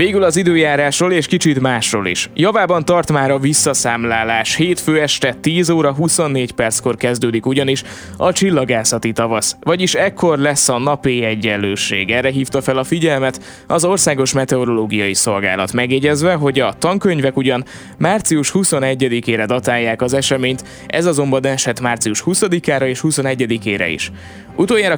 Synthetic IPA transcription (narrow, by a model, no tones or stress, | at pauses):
veːɡylɒzid̪øːjaːɾaːʃroleːʃkit͡ʃit̪maːʃro̰ːlḭʃjɒvaːbɒnt̪ɒrt̪maːɾɒvisːɒsaːmlaːlaːʃheːt̪føːɛʃt̪ɛt̪iːzoːɾɒɦuso̞nːeːcpɛrt̪sko̞rkɛzd̪øːd̪ikuɟɒniʃ | ɒt͡ʃilːɒɡaːsɒt̪it̪ɒvɒsvɒɟiʃɛkʰːo̞rlɛsːɒnɒpiɛɟːɛnløːʃḛːɡɛrːɛɦiːft̪ɒfɛlɒfiɟɛlmɛt̪ | ɒzo̞rsaːɡo̞ʃmɛt̪ɛo̞ɾo̞loːɡijɒjiso̞lɡa̰ːlɒ̰t̪mɛɡjɛɟɛzʋɛɦo̞ɟɒt̪ɒŋkø̞ɲvɛkuɟɒn | maːrt̪siuʃhuso̞nɛɟːɛd̪ikeːɾɛd̪ɒt̪aːjːaːkɒzɛʃɛmeːɲt̪ | ʔɛ̰zɒzo̞mbɒnɛʃɛt̪maːrt̪siuʃhusɒd̪ikaːɾɒeːʃhuso̞nɛɟːɛd̪ikeːɾɛ̰ḭʃ | ut̪oːjaːɾɒ